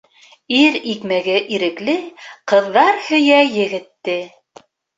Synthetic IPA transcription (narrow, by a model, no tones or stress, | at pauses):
iɾikmæɡɘʔiɾɘ̆klɘqɤ̆ðːɑɾhɵ̆jæjɘ̆ɡɘ̆t̪ːɘ